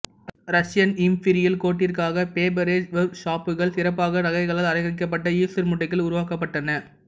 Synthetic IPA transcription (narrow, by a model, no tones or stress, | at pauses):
ɾɐʂɪjɐnɪmpɪɾɪjɪlkoːʈːɪrkaːɣɐpeːbɐɾeːʋɐbʂaːpːɯɣɐɭsɪɾɐpːaːɣɐɾɐɣɐɪɣɐɭalɐɾɐɪɣɐɾɪk̬ːɐp̬ːɐʈːɐiːsɪɾmʊʈːɐkːɪlʊɾʊʋaːkɐpːɐʈːɐnɐ